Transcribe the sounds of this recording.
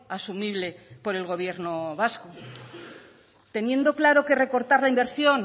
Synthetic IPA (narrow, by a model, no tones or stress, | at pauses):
asumiβle̞po̞ɾe̞lɣ̞o̞β̞je̞ɾnoβasko | t̪e̞njẽ̞nd̪oklaɾo̞kere̞ko̞ɾt̪aɾlaimbe̞ɾsjo̞n